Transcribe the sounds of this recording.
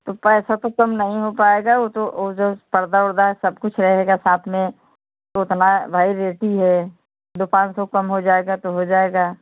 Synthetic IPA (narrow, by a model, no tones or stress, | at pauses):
t̪opɛːsat̪okɐmnɐɦĩɦopaːeɡaot̪ood͡ʒopɐɾd̪aʊɾd̪aɦɛsɐbkʊt͡ʃʰɾɐɦeːɡasaːt̪ʰmẽ | t̪oʊt̪nabʱaːiɾeːʈiɦɛ | d̪opãːnsɔkɐmɦod͡ʒaːeɡat̪oɦod͡ʒaːeɡaː